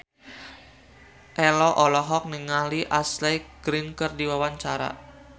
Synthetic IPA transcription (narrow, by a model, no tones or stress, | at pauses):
ʔɛlɔʔɔlɔɦɔk̚niŋaliʔaslɛɡ̥ɾinkərdiwawaɲt͡ʃaɾa̰